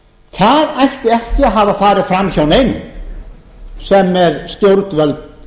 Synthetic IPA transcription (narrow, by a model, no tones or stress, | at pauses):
θaðajht̪ɪɛhcɪaɦavafaːɾɪðfɾamçawneːjnɪ̰n | sɛmːɛðsc̪jowɾt̪vœlt̪